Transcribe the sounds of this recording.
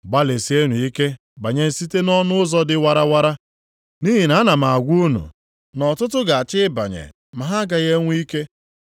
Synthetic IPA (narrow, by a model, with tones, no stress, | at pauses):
ɡ͡ba˦le˨si˨˦e˦nu˨i˦ke˦ | ba˨ɲe˨n̩˦si˦te˦nɔ˦nʊ˦zɔ˦dɪ˦wa˨ɾa˦wa˦ɾa˦ | ni˦ɦi˨na˨˦na˨m̩˨a˨ɡʷu˦nṵ˨ | nɔ˨tʊ˦tʊ˦ɡa˨a˨t͡ʃɪ˦ba̰˨ɲḛ˨ | ma˨ɦa˦ɡa˨ɣe˦ŋʷ˦i˦ke˦